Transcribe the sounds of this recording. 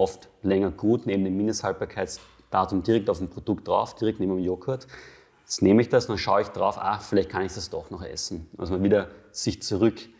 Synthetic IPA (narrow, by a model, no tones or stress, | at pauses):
ʔɔftlɛŋɐɡ̥uːtneːbm̩deːmːɪndəshalt̚b̥aːɐkʰaɪt͡s | d̥aːtʊmdiːʁɛk̚taʊmpʁ̥od̥ʊkt̚d̥ʁa̰ʊfd̥iːʁɛktneːmɪmjoːkʰat | ɛstneːməɪçd̥asnanʃaʊəɪçd̥ʁaʊfa̰ːfɪlæɪçt̚kʰanɪçd̥asd̥ɔχnɔχʔɛ̰sn̩ʔa̰smaːlviːdɐz̥ɪçt͡suʁʏk